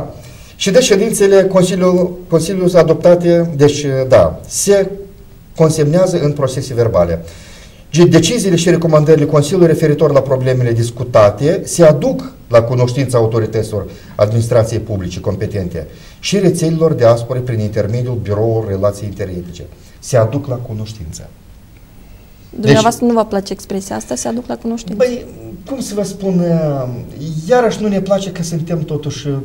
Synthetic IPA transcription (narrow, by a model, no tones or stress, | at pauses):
ʃid̪eʃe̞d̪int̪sele̞iuko̞nsilʲjusad̪o̞p̚t̪at̪e̞d̪e̞t͡ʃʲd̪a̰se̞ | ko̞nse̞mneazəʔɨnpɾo̞t͡ʃe̞se̞ve̞rbale̞̰ | d̪e̞t͡ʃiziːle̞ʃiɾe̞ko̞mand̪əɾile̞ko̞nsilʲjujrɾe̞fe̞ɾit̪o̞rʲlapɾo̞ble̞me̞le̞d̪iskut̪at̪e̞se̞ad̪uk | lakuno̞ʃt̪int̪saːut̪o̞ɾit̪ət̪sʲilo̞r | a̰d̪minis̬t̪ɾat̪sije̞jpublit͡ʃe̞ko̞mpe̞t̪e̞nt̪e̞̰ | ʃire̞t̪se̞lilo̞rd̪easpoɾepɾinint̪e̞rme̞d̪iulbiɾo̞urʲːe̞lat̪sijeint̪e̞ret̪it͡ʃe̞̰ | se̞ad̪uklakuno̞ʃt̪int̪sə̥̰ | d̪umeneavast̪ɾənuvaplat͡ʃeekspɾesijaast̪asead̪uklakuno̞ʃt̪inpəjkumsəvəspun | jaɾəʃnune̞plat͡ʃe̞kəsɨnt̪e̞mt̪o̞t̪uʃʲ